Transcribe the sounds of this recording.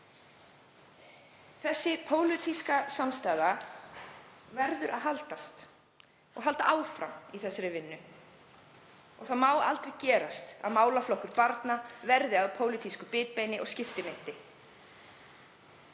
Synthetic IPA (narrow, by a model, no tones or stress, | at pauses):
θɛsːɪpʰoːwlɪt̪ʰiskasamst̪aːjða | vɛɾðʏɾʔa̰ðɦalt̪ast̪ | ɔ̰ɣɦalt̪aʔaːwfɾa̰miθɛsːaɾɪvɪnːʏ | ɔ̰ɣθaðmaːwa̰lt̪ɾɛɣcɛːɾast̪a̰ðmaːwlaflɔhkʏɾpaɾt̪navɛɾðɪaðpʰoːwlɪt̪ʰiskʏpɪːt̪̚pejnɪʔɔ̰ɣscɪft̪ɪmɪn̥t̪ɪ